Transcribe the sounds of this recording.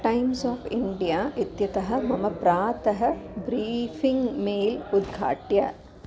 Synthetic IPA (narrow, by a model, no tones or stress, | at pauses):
ʈɐɪmsaːfɪɳɖijaːʔɪt̪jɐt̪ɐɦɐ̆mɐmɐpɾaːt̪ɐɦɐbɾiːfiŋɡmeːlʊd̪̚ɡʱa̰ːʈjɐ̰